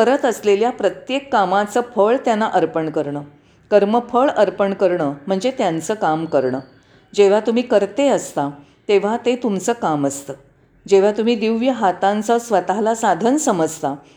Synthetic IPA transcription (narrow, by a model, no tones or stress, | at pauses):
kəɾət̪əsleljapɾət̪jekːamat͡səːfʰəɭt̪janːaʔəɾpəɳkəɾɳəː | kəɾməfʰəɭəɾpəɳkəɾɳəːm̤əɳd͡zet̪jant͡səːkamkəɾɳəː | d͡ʑeʋ̤at̪um̤iːkəɾt̪eəst̪a | t̪eʋ̤at̪et̪umt͡səːkaməst̪əː | d͡ʑeʋ̤at̪um̤iːd̪iʋjəɦat̪ãnt͡səsʋət̪alasad̪ʱənsəməd͡zt̪a